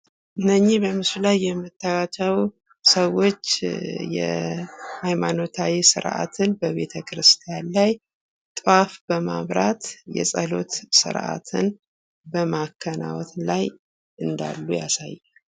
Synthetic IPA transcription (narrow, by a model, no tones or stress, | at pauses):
ʔɨnːəɲːihbəmɨsulajːɛmːɨt̪ʰːawat͡ʃəw | səwo̞t͡ʃːjɛ̰hajmano̞t̪ʰawisɨ̰ɾʔa̰t̪ʰɨnbəβe̞t̪ʰəkʰɾɨst̪ʰijanlaj | t̪ʼwafbəmaβɾat̪jɛ̰sʼəlo̞̰t̪sɨ̰ɾʔa̰t̪ʰɨn | bəmakʰːənawɔt̪laj | ʔɨnd̪a̰lːuja̰sa̰jːa